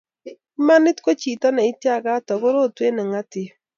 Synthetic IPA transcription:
ma˦nɪ˦tko˦t͡ʃi˨ta˦nɛ˨i˦tja˦˨ɣa˦tɔ˨ɣo˦ɾo˦˨twe˦nɛ˨ŋa˦tɪ˦

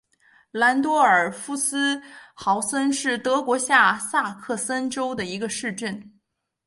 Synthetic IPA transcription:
la˧˥nt̪̬wɔ˥ə˞˨˩fu˥sɹ̩˥xɑ˧˥ʊsə˥nʂɻ̩˥˩t̪ɤ˧˥kwɔ˧˥ɕja˥˧sa˥˧kʰɤ˥˩sə˥nʈ͡ʂo˥ʊd̪ə˨i˧˥ɡə˧ʂɻ̩˥˧ʈ͡ʂə˥˩n

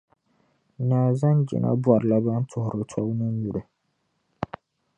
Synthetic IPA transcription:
naː˨za˦nd͡ʒɪ̰˨na̰˦bwa˨ɾɨ˨la˦ba˦n˦tʰʊ˨hʊ˨ɾɨ˨tʰɔ˦wnɨ˦n˦ju˨ɾɨ˨

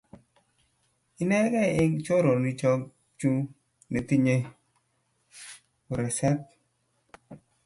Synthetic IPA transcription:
i˦nɛ˦ɡɛ˦˨e˦ŋt͡ʃo˦ɾo˨ni˨t͡ʃɔ˦k̚ | t͡ʃu˦ | ne˨ti˦ɲe˦ | u˨ɾɛ˨sɛ˦p̚

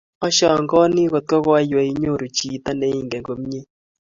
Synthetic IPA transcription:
ɔ˦ʃɔ˨ŋɡɔ˦ni˦ɣo˨t̚kɔ˦ɣwa˦jwɛ˨i˦ɲo˦˨ɾu˨t͡ʃi˨ta˦ne˦i˦˨ŋɡɛ˨ŋɡo˨m˦ɲe˦

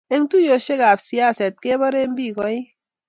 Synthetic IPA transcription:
e˦ŋ˦tu˦jo˨ʃe˦ka˨bsi˨˦a˦˨se˨t̚ke˦bɔ˦ɾe˦m˦bi˦˨kɔ˦i˦

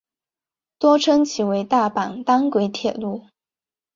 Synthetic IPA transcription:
t̪wɔ˥ʈ͡ʂʰɤ˥ŋt͡ɕʰi˨˩we˧˥ɪt̪a˥˩pa˨˩ŋt̪ɑ˥ŋkwe˧˥ɪt̪ʰjɛ˨˩lu˥˩

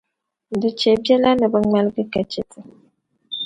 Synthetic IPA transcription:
də˨t͡ʃe˨bje˦la˦nə˨bə˨ŋ͡mɛ˦lɡə˦kɛ˨t͡ʃe˨tʰə˨

